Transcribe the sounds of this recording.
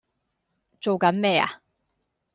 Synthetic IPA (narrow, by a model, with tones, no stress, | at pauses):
t͡so˨wkɐ˨˥nmɛː˥˩a̰˨